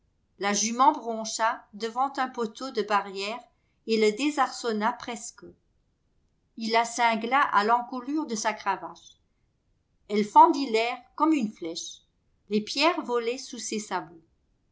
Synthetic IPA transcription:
laʒymɑ̃bʁɔ̃ʃad̪əvɑ̃t̪œ̃pot̪od̪əbaʁjɛːʁ | eləd̪ezaʁsɔnapχɛskə | ilːasɛ̃ɡlaʔalɑ̃kulyʁd̪əsakχavaʃ | ɛlfɑ̃d̪ilɛʁkɔmynflɛʃ | lepjɛʁvɔlɛsusesabo

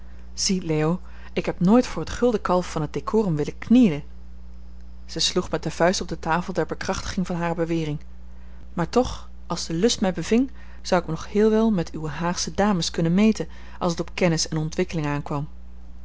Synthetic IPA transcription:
z̥ileːo | ɪkɦɛpnoːjtfʊːɹətχɵlˠdəkɑlˠfɑnɦəd̚d̥ekʰʊːrəmʋɪləknijlən | z̥əjsluχmɛt̚dəv̥œɥstɔb̚dətaːfəlˠdɛɹbəkrɑχtə̥χɪŋvɑnɦaːrəbəʋɪːrɪŋ | maːɹtɔχ | ɑlˠzdəlɵstmɛjbəvɪŋ | z̥ʌwɪknɔχhɪːlˠʋɛlˠmɛtʰyʋəɦaːχsədaːməskɵnənmejtən | ʔɑlˠsətɔpkɛnɪsɛnɔntʋɪkəlɪŋaːnkʋɑm

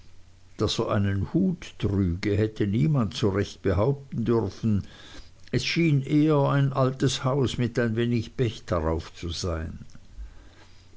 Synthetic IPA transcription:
d̥asoʔa̰ɪnənhuːtːʁyːɡəhɛtʰəniːmantsuʁɛçt̚b̥əɦaʊp̚tn̩dʏʁfn̩ | ɛsʃiːnʔeːəaɪnʔaltəshaʊsmɪtaɪnveːnɪçb̥ɛçd̥aʁaʊft͡suzaɪn

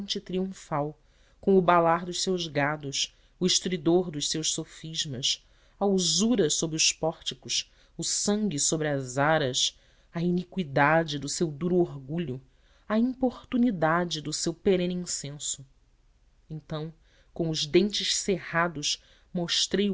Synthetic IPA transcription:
nt͡ʃɪt̪ɾiũfaw | kõw̃ʊbalaɾd̪ʊʃsewʒɡad̪ʊs | ʊiʃt̪ɾid̪oɾd̪ʊʃsewʃsofiʒmɐs | ɐuzuɾɐsobɾɪʊʃpɔɾt͡ʃikʊʃ | ʊsɐ̃ŋɡʲisobɾɪɐzaɾɐs | ɐinikwid̪ad͡ʒɪd̪ʊsewd̪uɾʊoɾɡuʎʊ | ɐĩpoɾt̪unid̪ad͡ʒɪd̪ʊsewpeɾẽnĩsẽsʊ | ẽnt̪ɐ̃w̃ | kõʊzd̪ẽnt͡ʃɪʃsehad̪ʊʃ | moʃt̪ɾej

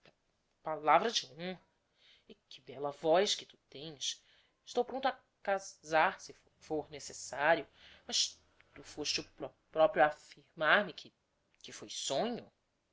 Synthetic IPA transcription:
palavɾɐd͡ʒɪõhɐ | ɪkɪbɛlɐvɔjskɪt̪u̥t̪ẽj̃s | ɪʃt̪owpɾõnt̪ʊa | kazaɾsɪ | foɾnesesaɾjʊ | mɐʃ | t̪ufoʃt͡ʃɪʊpɾɔ | pɾɔpɾjʊafiɾmaɾmɪkʰɪ | kɪfojsõɲʊ

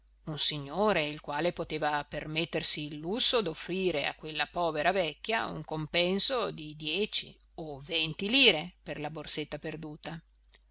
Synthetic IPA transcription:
unsiɲːoːɾeilkwaːlepot̪eːvapermet̪ːersiːlːusːod̪ofːɾiːɾea̰kwelːapɔːveɾavɛkːjaṵŋkompɛnsod̪id̪jɛːt͡ʃḭ | ovent̪iliːɾeperlaborset̪ːaperd̪uːt̪a

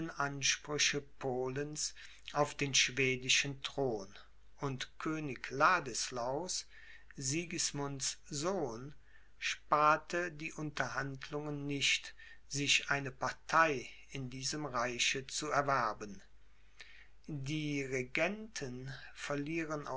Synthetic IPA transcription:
ənʔanʃpʁ̥ʏɕəpʰoːləns | ʔaʊfd̥eːnʃv̥eːdɪʃəntʁ̥oːn | ʔʊntkʰøːnɪklaːdəslaʊs | ziːɡəsmʊnszoːn | ʃpaːɐtʰədiːʔʊntɐɦandlʊŋənːɪçt | z̥ɪçʔaɪnəpaɐtʰaɪ | ɪndiːzəmʁaɪçət͡suɛɐvɛɐbən | diːʁeɡɛntʰənfɛɐliːʁəna̰

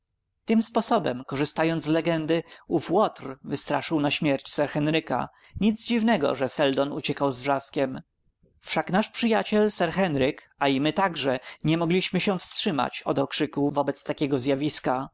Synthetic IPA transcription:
t̪ɘmspɔsɔbɛmkɔʐɘst̪ajɔnd̪zlɛɡɛnd̪ɘufwɔt̪rvɘst̪ɾaʂɘwnaɕmʲjɛɾt͡ɕsɛɾxɛnɾɘka̰ | ɲid̪zd͡ʑivnɛɡɔ̰ʐɛsɛld̪ɔnut͡ɕɛkawzvʐaskʲɛm | fʂaknaʂpʂɘjat͡ɕɛlsɛɾxɛnɾɘk | aimɘt̪aɡʐɛɲɛmɔɡlʲiɕmɘɕɛw̃fstʂɘma̰t͡ɕɔd̪ɔkʂɘkuvɔbɛt̪st̪akʲɛɡɔzjavʲiska

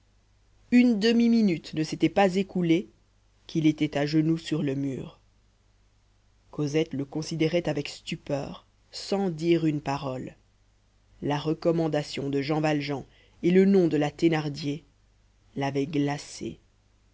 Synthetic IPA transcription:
ynd̪əmiminyt̪nəset̪ɛpazekule | kilet̪ɛt̪aʒənusyʁləmyːʁ | kozɛt̪ləkɔ̃sid̪eʁɛt̪avɛkst̪ypœ̰ːʁ | sɑ̃d̪iʁynpaʁɔl | laʁəkɔmɑ̃d̪asjɔ̃d̪əʒɑ̃valʒɑ̃ | elənɔ̃d̪əlat̪enaʁd̪je | lavɛɡlasḛ

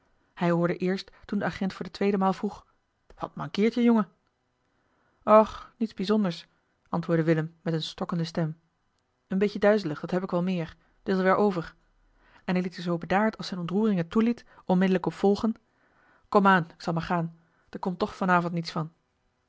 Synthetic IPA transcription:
hɛjɦʊːɹdəʔɪːɹstːundəaχɛntfʊːɹdətʋejdəmaːlˠvruχ | ʋɑ̰t̚mɑŋkɪːɹtjəjɔŋə | ɔχnitzbizɔndəɹs | ʔɑntʋʊːɹdəʋɪləmːɛtənstɔkəndəstɛm | ənbejədœɥzələχd̥ɑtɦɛpɪkʋɑlˠmɪːɹ | d̥ɪtʋɛɹʔowvəɹ | ɛnɦɛjlitəzowbədaːɹtɑlˠsɛjnɔntruːrɪŋətulitʔɔnmɪdələkɔpfɔlˠχən | kɔmaːnɪksɑlˠmaːɹχaːn | d̥əɹkɔmtːɔχfɑnaːvɔntnitsfɑn

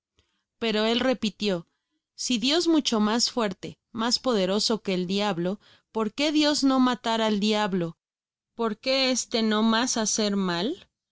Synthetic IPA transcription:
pe̞ɾo̞e̞lre̞pit̪jo̞ | siðjo̞zmut͡ʃo̞masfwe̞ɾt̪e̞ | maspo̞ð̞e̞ɾo̞so̞ke̞ːld̪jaβlo̞ | po̞ɾke̞ðjo̞zno̞mat̪aɾald̪jaβlo̞ | po̞ɾke̞est̪e̞no̞masase̞ɾmal

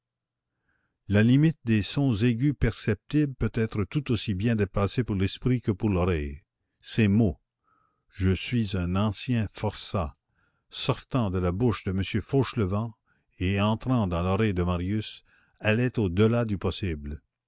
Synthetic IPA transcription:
lalimit̪̚d̪esɔ̃zeɡʲypɛʁsɛp̚t̪ibpøt̪ɛːt̪ʁət̪ut̪osibjɛ̃d̪epasepuʁlɛspʁikəpuʁlɔʁɛj | semo | ʒəsɥizɛ̃nɑ̃sjɛ̃fɔʁsa | sɔʁt̪ɑ̃d̪əlabuʃd̪əməsjøfoʃləvɑ̃ | eɑ̃t̪ʁɑ̃d̪ɑ̃lɔʁɛjd̪əmaʁjys | ɛlɛt̪od̪əlad̪ypɔsibl

